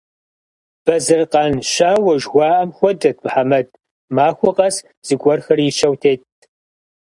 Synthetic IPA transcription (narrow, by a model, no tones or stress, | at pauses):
b̥ɐzɨrqɑnʃaːwɐʒwʷɑːʔɐmxʷɔdɐt̚ʰmħamɐd̚ | maːxʷʊqʼɐs | z̥ɨɡʷʼɔrxɐrjɪʃɐwtʰeːt̚ʰ